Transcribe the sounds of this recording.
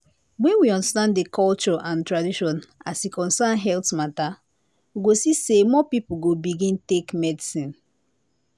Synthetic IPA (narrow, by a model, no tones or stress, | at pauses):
wɛ̃nwiɔ̃ndastãnddekʰɔlt͡ʃɔʔãntɹadiʃɔ̃nasikɔ̃nsanɦɛltmata | wiɡosisemɔpipuɡobiɡĩntekmɛdisĩn